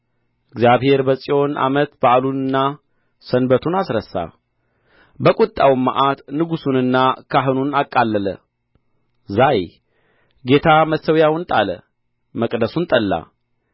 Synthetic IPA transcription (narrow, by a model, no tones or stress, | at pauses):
ɨɡzjaβhe̞ɾbəsʼio̞na̰mət̪bəalunɨnːa | sənbət̪ʰunasɾəsːa̰ | bəkʼut̪ʼːawmːa̰ʔat̪nɨɡusunɨnːakʰaɦɨnunakʼːalːələ̰ | zaj | ɡe̞t̪ʰaməsəwjawnt̪ʼalə̰ | məkʼd̪əsunt̪ʼəlːa̰